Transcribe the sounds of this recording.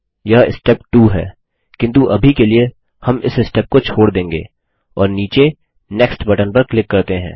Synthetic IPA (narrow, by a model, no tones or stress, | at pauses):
jɐɦɪ̰sʈɛpʈuːɦɛ̰ː | kɪ̃nt̪̬uʔɐbʱikelie | hɐmɪ̰sɪsʈɛːp̚kot͡ʃʰoːɽd̪ẽːŋɡḛː | ɔːɾniːt͡ʃe | nɛksʈbɐʈənpɐɾklɪkːɐɾt̪eɦɛ̰̃ː